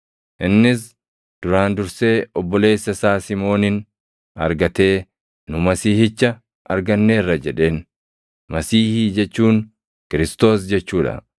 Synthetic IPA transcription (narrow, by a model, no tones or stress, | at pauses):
ʔɪnːɪs̬ | d̪̥ʊɾaːnd̪ʊɾse̞ːɔbːɔle̞ːsːɐsaːsɪmo̞ːnɪn | ɐ̰ɾɡɐt̪e̞ː | nʊmɐsiːhɪt͡ʃːɐ | ɐɾɡɐnːe̞ːrːɐd͡ʒɛᶑe̞ːn | mɐsiːhiːd͡ʒɛt͡ʃːuːn | kɪɾɪst̪o̞ːs̬d͡ʒɛt͡ʃːuːᶑɐ̰